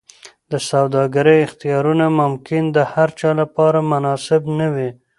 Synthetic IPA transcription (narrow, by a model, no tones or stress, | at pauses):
d̪əsawd̪ɑɡaɾəjɪxt̪ijɑɾunamʊmkɪnd̪əhaɾt͡ʃɑlapɑɾamanɑsɪbnəwi